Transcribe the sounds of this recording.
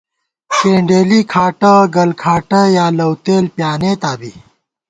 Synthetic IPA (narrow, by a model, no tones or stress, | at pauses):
keːɳɖeːlikʰaːʈɐɡɐlkʰaːʈɐjaːlɐwt̪eːlpjaːneːt̪aːbi